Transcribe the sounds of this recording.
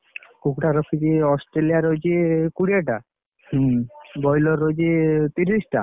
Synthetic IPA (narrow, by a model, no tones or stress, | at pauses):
kukuʈaɾokʰid͡ʑiɔsʈɾeliaɾod͡ʑekuɽiaʈa | bɔjloɾod͡ʑit̪iɾisʈa̰